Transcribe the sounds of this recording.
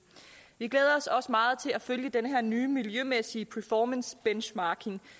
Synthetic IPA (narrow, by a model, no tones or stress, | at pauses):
ʋiɡ̥leːð̞ˠɐɒ̽sɒ̽səmɑ̈ːð̩ˠt͡sʰe̝læføljəd̥enəɦɛɐnyːmiljømesiəpʰæɐfɒːmənsb̥enɕmɑ̈ːkʰe̝ŋ